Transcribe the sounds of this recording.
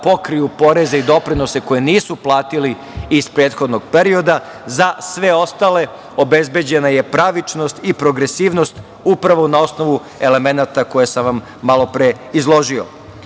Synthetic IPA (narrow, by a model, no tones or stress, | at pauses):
po̞kɾijupo̞ɾe̞zeid̪o̞pɾino̞se̞ko̞jeniːsuplˠaːt̪iliː | spɾeːt̪xo̞d̪no̞ɡ̚peɾio̞d̪a | zasʋe̞o̞st̪ale̞ | o̞be̞zbe̞d͡ʑe̞naje̞pɾaʋit͡ʃno̞st̪ipɾo̞ɡɾe̞siːʋno̞st̪ | upɾaʋo̞nao̞sno̞ʋu | e̞le̞me̞nat̪ako̞jesamʋamːalˠo̞pɾe̞ | izlˠo̞ʒio̰